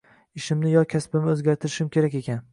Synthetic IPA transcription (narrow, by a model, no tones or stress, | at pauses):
ɪʃɪmnɪjɒkʲʰaspɪmɪɵzɡʲaɾt̪ʰɪɾɪʃɪmkʲe̞ɾakʲe̞kʲan